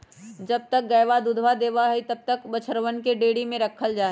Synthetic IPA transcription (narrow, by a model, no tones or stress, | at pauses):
d͡ʒɐb̚t̪ɐk̚ɡɐjʋad̪ʊd̪ʱʋad̪eːʋaɦɛit̪ɐb̚t̪əkbɐt͡ʃʰəɾwənkeɖeːɽimẽɾɐkʰːəld͡ʒaːɦ